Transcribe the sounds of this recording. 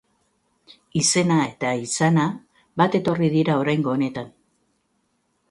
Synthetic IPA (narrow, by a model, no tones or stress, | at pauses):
ise̞nae̞t̪aisana | βat̪e̞t̪o̞rið̞iɾao̞ɾajŋɡo̞ːne̞t̪an